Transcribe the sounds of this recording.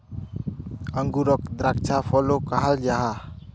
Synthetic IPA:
əŋɡuɾɔk̚d̪ɾak̚t͡ʃʰapʰɔlokaɦald͡ʒaɦa

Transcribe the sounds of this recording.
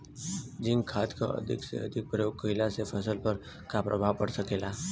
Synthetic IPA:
d͡ʒĩŋɡkʰat̪kʰaə̰d̪ʱḭksḛə̰d̪ʱik̚pɾəjoɡ̚kəilasepʰəsəlpəɾ | kapɾʔəbʱaʋpəɽsəkela

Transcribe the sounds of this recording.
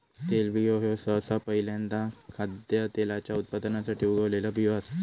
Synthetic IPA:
t̪elʋioɦjosəsapəɦiljãnt̪akʰad̪jət̪elat͡ɕjaut̪̚pad̪nasaʈʰiːuɡʱəʋlelabʱiʋas

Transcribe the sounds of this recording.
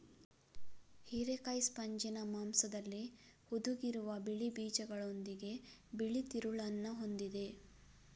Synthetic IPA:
hiɾekɐjspɐɲd͡ʒinɐmaːmsɐd̪ɐlːihud̪uɡiɾuʋɐbiɭibiːd͡ʒɐɡɐɭo̞nd̪iɡe̞biɭit̪iɾuɭɐnːuɦo̞nd̪id̪e̞

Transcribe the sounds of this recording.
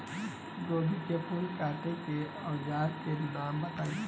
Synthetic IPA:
ɡoːɡikepʰʊlkaːʈeke | ɔd͡ʒaːɾkenaːmbɐt̪ai

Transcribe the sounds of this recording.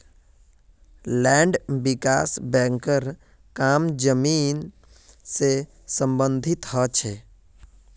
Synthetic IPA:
lɛːɳɖbɪkaːsbɛ̃ːŋkəɾ | kaːmd͡ʒəmiːn | se | sə̃mbə̃nd̪ʱɪt̪ɦɔt͡ʃʰɛ

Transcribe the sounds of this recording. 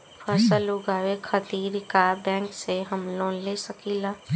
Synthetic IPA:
pʰəɾsəlʊɡaːʋekʰət̪iːɾkabɛ̃ːŋkseɦəmloːnlesəkilaː

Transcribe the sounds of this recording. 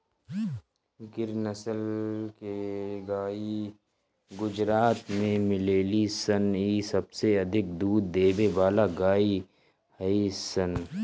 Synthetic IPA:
ɡɪɾnəsəlkeɡaːi | ɡʊd͡ʒɾaːt̪mẽmɪleːlisəniːsɐbseɐd̪ʱɪk̚d̪uːd̪ːeːbebaːlaɡaːi | hɐisən

